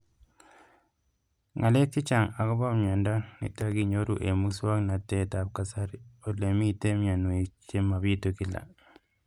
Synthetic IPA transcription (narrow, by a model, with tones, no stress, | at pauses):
ŋʔa˨le˦kːi˦t͡ʃa˨ŋa˨ko˦ba˦mɲa˨nda˦nḭ˨taɡiɲoɾuʔe˨mu˦swa˦kna˨tːe˨tap̚kasaɾio˨le˨mi˦te˦mɲa˨nu˨i˨t͡ʃe˦ma˨βitokila̰